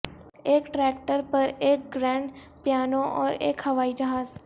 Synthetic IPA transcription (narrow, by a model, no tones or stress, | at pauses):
eːkʈɾɛːk̚ʈəɾpɐɾeːk̚ɡɾɛ̃ːɳɖ | pjaːnõʔɔːɾeːkhɐʋaːid͡ʒɐɦaːz